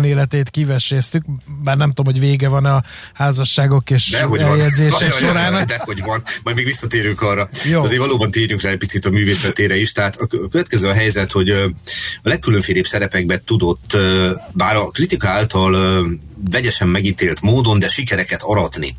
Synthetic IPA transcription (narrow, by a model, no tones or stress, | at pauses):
neːlɛt̪eːt̪kivɛʃɛst̪yk̚baːrnɛmt̪omhoɟveːɡɛvɒnɒ | haːzɒʃːaːɡo̞keːʃd̪ɛɦoɛljɛd̪zeːɛʃoɾaːnt̪ɛhoɟvɒnmɒjmeːɡvisːɒt̪eːɾyŋkɒrːɒjoɒzeːɾvɒloːbɒnt̪eːɾyŋkraɛc̚ʲpitsit̪ɒmyːveːsɛt̪eːɾɛiʃt̪ɛɦaːt̪ɒkøvɛt̪̚kɛzøːɒɦɛjzɛt̪ho̞ɟ | ɒlɛkːyløɱfeːleːbsɛɾɛpɛɡ̚bɛt̪ud̪o̞t̪ːbaːɾɒkrit̪ikɒaːlt̪ɒl | vɛɟɛʃɛmːɛɡiːt̪eːlt̪moːd̪o̞nd̪ɛʃikɛɾɛkɛt̪ɒɾɒt̪nḭ